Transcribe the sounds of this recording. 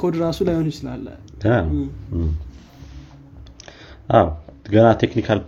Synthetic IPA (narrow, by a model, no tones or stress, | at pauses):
kʰod̪ɾasulajonsɨla̰lːə̰ɡənam | ʔawɡənat̪ʰeknikʰal